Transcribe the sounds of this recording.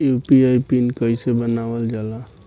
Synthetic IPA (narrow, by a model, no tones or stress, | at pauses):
upiajpinkəisebənabəld͡ʒala